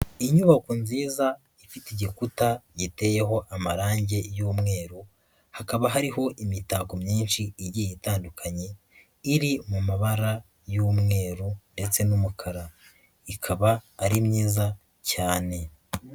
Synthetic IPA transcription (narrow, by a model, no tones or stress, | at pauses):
iɲuβakunziːza | ifitiɟikutaɟite̞je̞ɦo̞ʔamaɾaːɲɟe̞juːmŋe̞ːɾo | hakaβaɦaɾiɦo̞ʔimitaːkomɲiːnʃiiɟijitaːndukʰaɲe̞ | iɾimumaβaɾa | juːmŋe̞ːɾonde̞t͡se̞numukʰaɾa | ikʰaβaːɾimɲiːza | caːne̞